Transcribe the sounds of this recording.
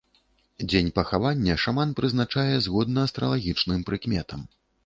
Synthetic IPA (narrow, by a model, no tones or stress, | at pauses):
d͡zʲenʲpɐxavanʲːɐʂamanpɾɨznat͡ʂajɛzɣɔd̪nɐːst̪ɾɐ̰lˠaɣʲit͡ʂnɨmpɾɨkmʲɛt̪ɐm